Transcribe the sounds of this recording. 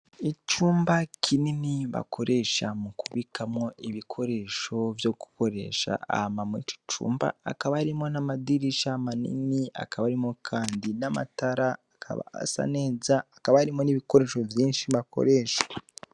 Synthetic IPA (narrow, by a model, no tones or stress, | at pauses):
it͡ʃuːmbakʰininiβa̰kʰo̞ɾe̞ʃamukuβikʰamŋo̞ʔiβikʰo̞ɾe̞ːʃo̞vjo̞ɡu̥ko̞ɾe̞̰ːʃa̰a̰hamamwḛt͡ʃi̥t͡ʃṵːmba̰ːkaβaaɾimo̞namadiɾiʃamanḭnia̰kʰaβaɾimo̞kʰaːndinama̰taɾaːkʰa̰βa̰a̰sa̰ne̞ːzaːkaβahaɾimo̞niβiko̞ɾe̞ːʃo̞vjiːnʃiβako̞̰ɾe̞ʃḁ